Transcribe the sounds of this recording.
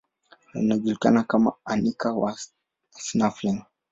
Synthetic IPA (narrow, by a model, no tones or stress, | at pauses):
a̰naʄulika̰nakama̰anikawa | snafliŋ